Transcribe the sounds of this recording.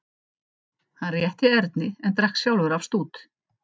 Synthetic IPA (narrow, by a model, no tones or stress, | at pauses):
hanrjɛht̪ɪɛɾt̪nɪɛnt̪ɾahksjawlvʏɾavst̪uːt̪